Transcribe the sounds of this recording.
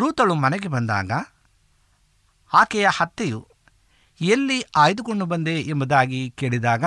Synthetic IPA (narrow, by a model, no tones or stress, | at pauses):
ɾuːt̪ɐɭumɐnɛɡebɐnd̪a̰ːɡɐ | aːkɛjɐhɐt̪ːeju | elːiaːjd̪ukoɳɖubɐnd̪eʔːmbud̪aːɡikeːɭid̪aːɡɐ